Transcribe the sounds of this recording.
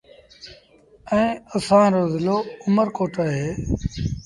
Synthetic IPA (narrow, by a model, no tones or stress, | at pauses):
ɛ̃ːəsãːɾoːzɪloːʊməɾkoːʈəɦeː